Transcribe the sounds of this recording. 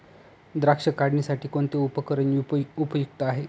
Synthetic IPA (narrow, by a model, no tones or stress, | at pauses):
d̪ɾakʂəkaɽɳisaʈʰiːkoɳt̪eupəkəɾəniupəjuk̚t̪əaɦe